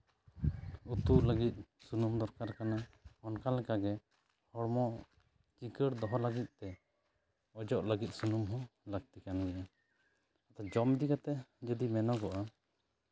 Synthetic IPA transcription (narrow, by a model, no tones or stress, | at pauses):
ut̪uʔləɡit̪̚ˀsunumd̪ɔɾkaɾkanaɔnkalɛkaɡɛ | hɔɽmɔʔ | t͡ʃikəɽd̪ɔɦɔlaɡit̪̚t̪ɛ | ɔd͡ʒɔʔləɡit̪̚sunumɦɔ̃laɡ̚t̪ikanɡɛʔa | at̪ad͡ʒɔmd̪ikat̪ɛd͡ʒəd̪imɛnɔɡɔʔa